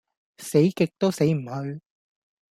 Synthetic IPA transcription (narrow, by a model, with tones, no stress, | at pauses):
se˨˥jkɪ˨k̚t̪o˥wse˨˥jm̩˨˩hɵ˧ɥ